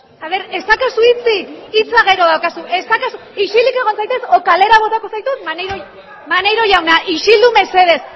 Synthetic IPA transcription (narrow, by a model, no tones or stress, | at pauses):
aβ̞e̞ɾe̞st̪akasuit͡siit͡saɣ̞e̞ɾo̞ð̞awkasuʔe̞st̪akasuiʃilike̞ɣo̞nsajt̪e̞so̞kale̞ɾaβ̞o̞t̪ako̞sajt̪ut̪maneɾo | manejɾo̞ʝawnaʔiʃild̪ume̞se̞ð̞e̞s